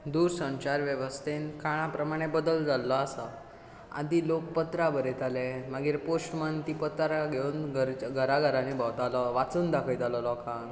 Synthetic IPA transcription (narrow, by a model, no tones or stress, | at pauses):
d̪uɾsə̃ɲt͡ɕaɾʋjəʋəst̪enkʰaɽ̃ãpɾəmaɽ̃ebəd̪əld͡zalːɔasa | a̰d̪iːlok̚pət̪ɾabəɾet̪aleməɡiːɾpoɕmənt̪ipət̪ɾaɡʱeunɡəɾɡʱəɾaɡʱəɾanibawt̪alɔʋat͡suːnd̪akʰəjt̪alɔlɔkãn